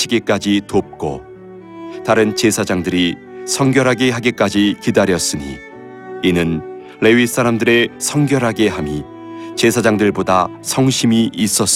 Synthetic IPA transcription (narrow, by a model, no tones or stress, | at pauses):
iɡe̞k͈ad͡ʑitop̚k͈o̰ | taɾɯnt͡ɕe̞sʰad͡ʑaŋdɯɾi | sʰʌŋɡjʌɾɦaɡe̞ɦaɡe̞k͈ad͡ʑikidaɾjʌs͈ɯɲḭ | inɯn | le̞ɥis͈ʰaɾamdɯɾe̞sʰʌŋɡjʌɾɦaɡe̞ɦami | t͡ɕe̞sʰad͡ʑaŋdɯɭboda | sʰʌŋɕʰimiis͈ʌs͈